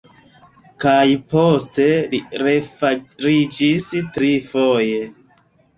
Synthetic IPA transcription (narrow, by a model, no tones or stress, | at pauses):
kajposte̞liɾefaɾid͡ʒistɾifoje